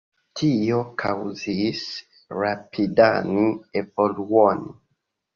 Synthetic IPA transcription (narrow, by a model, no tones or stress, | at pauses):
tʰio̞kʰawzis | ɾapʰidanievoluoni